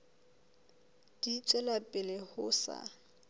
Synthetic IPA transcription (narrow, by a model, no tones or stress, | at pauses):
d̥it͡sʼwɛlapʼɪlɪhʊsa̰